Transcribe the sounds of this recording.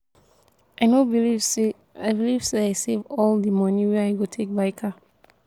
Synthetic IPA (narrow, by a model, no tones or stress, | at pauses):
aɪnobi | abiliv̥seaɪsevɔldəmʌ̃niwɛaɪɡotʰek̚baɪkʰa